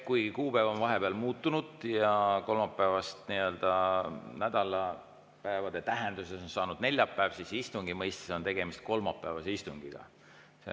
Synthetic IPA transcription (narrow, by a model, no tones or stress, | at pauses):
kujɡikuːpæevonvɑɦe̞peɑlmuːt̪ːunud̪̥jɑko̞lmɑpːˑæevɑst̪niø̞ld̪̥ɑnæd̪̥ɑlɑ | pæevɑd̪̥e̞t̪æɦe̞nd̪̥use̞so̞nsɑːnud̪̥ne̞lʲjɑpːˑæːvsisist̪uŋɡimɤjst̪e̥seo̞nt̪e̞ɡ̥e̞mist̪̚ko̞lmɑpːˑæːvɑseist̪uŋɡ̥iɡ̥ɑ̰ | sḛ